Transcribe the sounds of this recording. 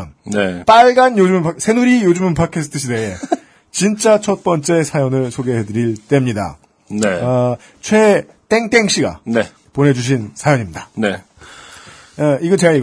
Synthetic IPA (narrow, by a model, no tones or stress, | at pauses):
nnep͈aɭɡanjod͡ʑumpʰsʰe̞nuɾijod͡ʑumnpʰat̚kʰesʰɯ̥tʰɯɕ̬ʰide̞e | t͡ɕint͡ɕ͈at͡ɕʰʌt̚p͈ʌnt͡ɕ͈e̞sʰajʌnɯɭsʰoɡe̞ɦe̞dɯɾiɭt͈e̞mɲida̰ | ne | t͡ɕʰwe̞ | t͈e̞ŋt͈e̞ŋɕ͈ʰiɡa̰ne | pone̞d͡ʑuɕ̬ʰinsʰajʌɲimɲidane | iɡʌt͡ɕeɡaiɡ